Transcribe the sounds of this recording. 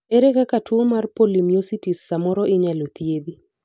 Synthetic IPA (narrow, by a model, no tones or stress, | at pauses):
eɾekakatwuomarpolimjositisːamɔɾɔʔɪɲalot̪jed̪i